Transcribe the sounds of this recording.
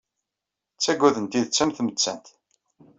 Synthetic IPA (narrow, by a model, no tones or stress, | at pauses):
t͡sːæɡʷːæðənt̪iðt͡sːæmθmət͡sːæ̰nt̪